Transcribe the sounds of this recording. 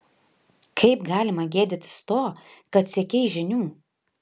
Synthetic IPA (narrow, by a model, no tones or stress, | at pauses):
kʰɐɪpɡɑːlʲɪmɐɡʲeːd̪ʲɪt̪ʲɪ̥st̪oːkɐt̪sʲɛkʲɛɪʒʲɪnʲuː